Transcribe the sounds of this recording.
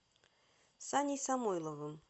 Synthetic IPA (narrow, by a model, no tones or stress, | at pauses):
sanʲisamojlˠɤvɤm